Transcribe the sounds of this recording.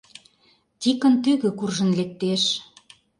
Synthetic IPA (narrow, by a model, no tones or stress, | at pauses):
t̪ʲikə̆nt̪yɣø̆kurʒə̆nlek̚t̪eʃ